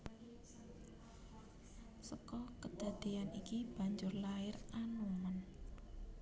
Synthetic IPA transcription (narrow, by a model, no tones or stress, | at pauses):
səkɔkəd̪̥a̤d̪̥ianikib̥a̤ɲd͡ʒʊrlaɪranumən